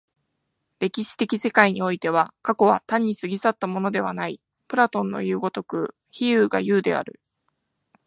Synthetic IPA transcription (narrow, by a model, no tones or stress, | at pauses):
ɾe̞kʲiɕi̥t̪e̞kʲise̞kaiɲ̟io̞it̪e̞β̞akako̞β̞at̪ãɲ̟ːisɨɡʲisat̪ːamo̞no̞d̪e̞βa̰nai | pɯ̟ɾat̪õ̞nːo̞̰jɯ̟ːɡo̞t̪o̞kɯ̟ | çijɯːɡa̰jɯ̟ːd̪e̞̰a̰ɾɯ̟